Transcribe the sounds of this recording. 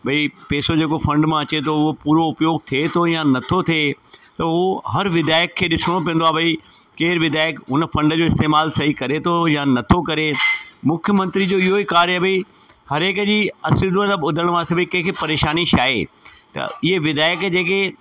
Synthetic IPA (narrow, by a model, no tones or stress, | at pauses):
bɐipeːsod͡ʑeːkofʰɐ̃ɳɖmãɐt͡ɕet̪ʰoʊɦopuːɾoʊpjoːɡ̚t̪ʰiet̪ʰojãnɐt̪ʰot̪ʰiet̪ɐoɦɐɾʋɪd̪aːɪəkʰːeːɗɪsəɽ̃õp̬ĩə̃n̆d̪oaːbɐikeːɾʋɪd̪aːɪəkɦʊnəfɐ̃ɳɖd͡ʑoːɪst̪eːmaːlsɐɦikɐɾet̪ʰojãnɐt̪ʰokɐɾemʊkʰjəmɐ̃nt̪ɾid͡ʑoːɪɦoikaːɾjɐbi | hɐɾeːkd͡ʑiːɐsɪd̪ʋələbʊd̪ʱəɽ̃ʋãsɪbʱikɐ̃ɦkʰipɐɾeːʃaːniʃaːḛt̪ɐ̰ɪɦeʋɪd̪aːɪjəkd͡ʑeːk̬e